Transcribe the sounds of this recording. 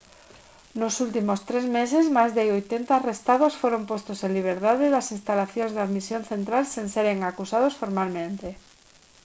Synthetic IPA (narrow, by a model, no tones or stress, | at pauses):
nosult̪imost̪ɾezmesezmajzðɪojt̪ent̪aːrest̪aðosfoɾompost̪osẽnliβ̞eɾðaðeðasinst̪alaθjõnzðaðmisjonθent̪ɾalsenseɾeŋakusað̞osfoɾmalmẽnt̪e